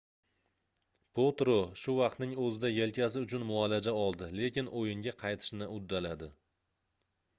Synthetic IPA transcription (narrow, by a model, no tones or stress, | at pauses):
pʰot̪ɾoʃʊvɑqt̪nɪŋɵzɪd̪aje̞lkʲʰas̬ɪʊt͡ʃʰʊnmʊalad͡ʒaɒlˠd̪ɪle̞kʲɪnʔojɪŋɡʲaqʰɑjt̪ʰɪ̥ʃnɪʔʊd̪ːalad̪ɪ